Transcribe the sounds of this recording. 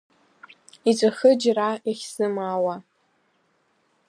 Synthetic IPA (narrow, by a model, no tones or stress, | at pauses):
it͡sʷʼaχɨd͡ʒraeχʲsɨmawa